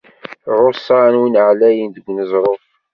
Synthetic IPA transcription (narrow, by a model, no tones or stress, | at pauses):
ɾˤosːɑnwinʕlæjənd̪əɡʷːnəzˤɾˤof